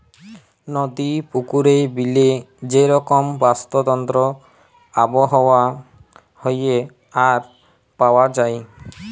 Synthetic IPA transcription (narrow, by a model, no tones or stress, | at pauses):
nɔd̪ipukuɾebiled͡ʒeɾɔkɔmbast̪ɔd̪ɔnt̪ɾɔ | abɔɦɔwa | hoje | aɾ | pawad͡ʒaj